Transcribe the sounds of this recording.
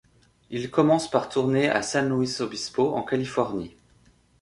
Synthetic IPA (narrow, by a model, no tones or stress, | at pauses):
ilkɔmɑ̃spaʁt̪ʰuʁnea̰sɛ̃nuisobispoʔɑ̰̃kalifɔʁni